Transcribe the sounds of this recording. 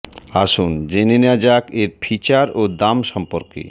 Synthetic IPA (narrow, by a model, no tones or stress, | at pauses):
aʃund͡ʑenenead͡ʑakeɾpʰit͡ɕaɾod̪amʃɔmpoɾkḛ